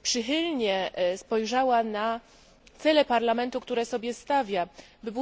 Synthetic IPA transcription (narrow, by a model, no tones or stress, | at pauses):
pʂɘxɘlɲɛspɔjʐawana | t̪sɛlɛpaɾlamɛnt̪ukt̪uɾɛsɔbʲjɛst̪avʲjabɘbu